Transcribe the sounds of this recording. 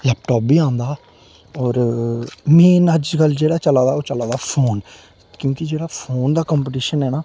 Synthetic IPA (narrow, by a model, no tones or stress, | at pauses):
lɛːp̚ʈɔːp̚biːãːnd̪aː | ɔːɾ | meːnəd͡ʒkəld͡ʒeːɽaːt͡ʃəlaːd̪aːoːt͡ʃəlaːd̪aːpʰoːn | kjõːkɪd͡ʒeːɽaːpʰoːnd̪aːkə̃mpːʈiːʃənɦɛːnaː